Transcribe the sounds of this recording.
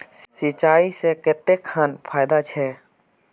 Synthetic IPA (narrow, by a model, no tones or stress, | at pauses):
sit͡ʃaːiseket̪ekʰaːnpʰaːjd̪at͡ʃʰɛ